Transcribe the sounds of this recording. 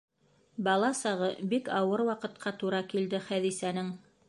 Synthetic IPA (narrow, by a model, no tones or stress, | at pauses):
bɑlˠɑsɑʁɤbikɑwɤɾwɑqɤ̆t̪qʰɑt̪uɾɑkild̪ɘχæðisænɘŋ